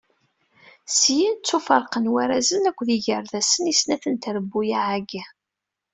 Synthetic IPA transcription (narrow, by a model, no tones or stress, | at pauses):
sjint͡sːufəɾˤqənwæɾæzənækʷːðiʝəɾðæsənisnæθənt̪ɾəbːujaʕaɡa